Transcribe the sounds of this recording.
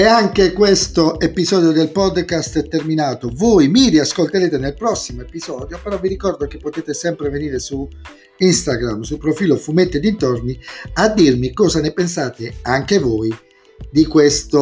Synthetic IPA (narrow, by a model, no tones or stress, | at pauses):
ɛaŋkekwest̪oepizɔːd̪jod̪elpɔd̪ːkast̪ɛt̪ːerminaːt̪ovojmiɾiaskolt̪eɾeːt̪enelpɾɔsːimoepizɔːd̪jopeɾɔvːiɾikɔrd̪ok̟epːot̪eːt̪esɛmpɾeveniːɾesu | inst̪aɡɾamːsulpɾofiːlofumet̪ːed̪int̪orniad̪ːirmikɔːzanepensaːt̪eaŋkevoj | d̪ikwest̪o